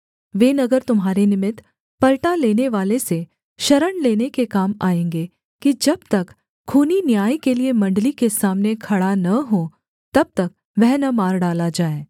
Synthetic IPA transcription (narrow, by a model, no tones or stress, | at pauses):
ʋeːnɐɡəɾt̪ʊmɦaːɾenɪmɪt̪ | pɐɾʈaleːneʋaːlese | ʃɐɾəɳleːnekekaːmaːẽːŋɡe | kid͡ʒɐb̚t̪ɐkʰː | uːninjaːikeliemɐ̃ɳɖəlikesaːmnekʰɐɽanɐɦoː | t̪ɐb̚t̪ɐk̚ | ʋɛɦnɐmaːɾɖaːlad͡ʒaːeː